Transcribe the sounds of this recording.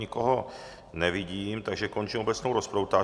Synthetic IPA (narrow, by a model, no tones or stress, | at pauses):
ɪkoɦo | nɛvɪɟiːmt̪aɡʒɛko̞nt͡ʃimobɛt͡snowɾospɾowt̪aː